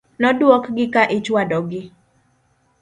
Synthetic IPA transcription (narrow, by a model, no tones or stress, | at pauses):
nɔdwɔkɡɪkaʔɪt͡ʃwadɔɡɪ